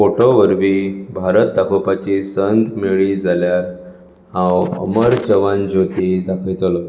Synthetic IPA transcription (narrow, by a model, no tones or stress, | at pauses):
foʈoʋəɾʋiːbʱaɾət̪̚d̪akʰopat͡ɕisənt̪miɭid͡zʱaljaɾ | hãwə̰məɾt͡ɕəʋãnd͡ʑot̪id̪akʰəjt̪lɔ